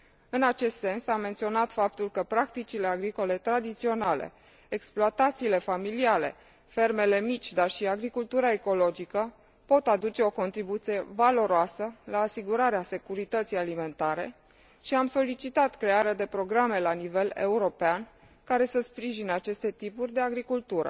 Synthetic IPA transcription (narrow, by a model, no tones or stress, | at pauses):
ɨnat͡ʃe̞st̪se̞nsamːe̞nt̪sio̞nat̪fap̚t̪ulkəpɾakt̪it͡ʃileaɡɾiko̞le̞t̪ɾad̪it̪sio̞nale̞̰ | eksploat̪at̪siːle̞familiale̞̰ | fe̞rme̞le̞mit͡ʃʲd̪arʃiaɡɾikult̪uɾae̞ko̞lo̞d͡ʒikə | po̞t̪ad̪ut͡ʃe̞o̞ko̞nt̪ɾibut̪sie̞valo̞ɾoasəlaːsiɡuɾaɾease̞kuɾit̪ət̪sijalime̞nt̪aɾe̞̰ | ʃiamso̞lit͡ʃit̪at̪kɾe̞aɾead̪e̞pɾo̞ɡɾame̞lanive̞le̞̰uɾo̞pean | kaɾe̞səspɾiʒinəat͡ʃe̞st̪e̞t̪ipurʲd̪e̞aɡɾikult̪uɾə̰